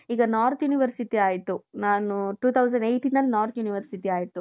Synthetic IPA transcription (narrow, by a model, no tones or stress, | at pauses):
iːɡɐnaːɾt̪juːniʋɐɾsiʈiaːjit̪ːunaːnuʈuːt̪ʰɐwsɐ̃ɳɖejʈiːnɐlːnaːɾt̪ʰjuːniʋɐɾsiʈiaːjit̪ːu